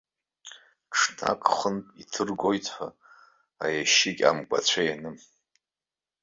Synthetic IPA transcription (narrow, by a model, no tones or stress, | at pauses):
ʈ͡ʂʰna̰kʼχəntʼitʰɨrɡʷojtʰʼħʷa | ajaʃikʲʼa̰mkʷʼa̰t͡ɕʷʰajanɨm